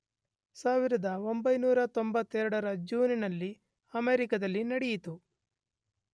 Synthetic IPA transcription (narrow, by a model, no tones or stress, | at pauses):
saːʋiɾɐd̪ɐo̞mbɐjnuːɾɐt̪o̞mbɐt̪ːɛːɾɐɽɐɾɐd͡ʒuːninɐlːi | ɐmeːɾikɐd̪ɐlːinɐɽejit̪u